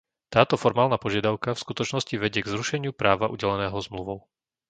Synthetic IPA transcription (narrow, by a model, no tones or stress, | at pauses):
t̪aːt̪ɔfɔɾmaːlnapɔʒɪad̪aʊkafskut̪ɔt͡ʃnɔsciʋɛɟɪɛɡzɾuʃɛɲɪupɾaːʋaʔuɟɛlɛnɛːɦɔzmluʋɔʊ